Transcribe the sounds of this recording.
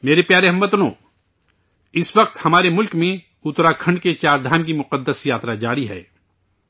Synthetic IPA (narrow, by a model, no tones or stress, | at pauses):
meːɾepjaːɾeɦɐmbət̪nõ̰ː | ɪsʋɐq̚t̪hɐmaːɾemʊlkmẽ | ʊt̪ɾakʰɐ̃ɳɖket͡ʃaːɾd̪ʱaːnkimʊqəd̪ːəsjaːt̪ɾad͡ʒaːɾiɦɛ̰ː